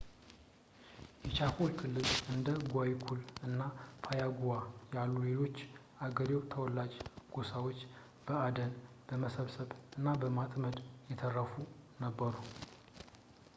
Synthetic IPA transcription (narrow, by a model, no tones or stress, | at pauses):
jɛt͡ʃʰafolkʰɨlːɨlɨnd̪əɡʷawikʰulɨnːapʰajaɡuwajalːule̞lo̞t͡ʃː | aɡəɾewt̪ʰəwɔlːad͡ʒɡ̥osawo̞t͡ʃː | b̥əad̪ən | b̥əməsəβsəβɨnːabəmat̪məd̪jɛt̪ʰərːəfunəbːəɾu